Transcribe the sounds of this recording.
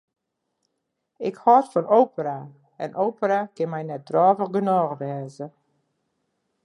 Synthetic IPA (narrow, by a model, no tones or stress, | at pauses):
ɪkhɔtfɔnowpəɾa | ɛ̰nʔowpərakɪnmɛjnɛt̚d̥rɔːvəxɡənɔːɣʋɛːzə